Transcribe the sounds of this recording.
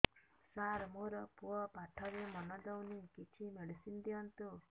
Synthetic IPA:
saɾmoɾɔpuɔpaʈʰɔɾemɔnɔd̪ɔwnikit͡ʃʰimeɖisind̪iɔnt̪u

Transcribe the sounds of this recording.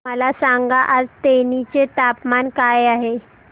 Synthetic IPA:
məlasaŋɡaʔad͡zt̪enit͡set̪apmankajaɦe

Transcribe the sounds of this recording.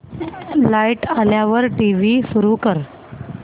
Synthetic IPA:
laiʈaljaʋəɾʈiʋiːsuɾukəɾ

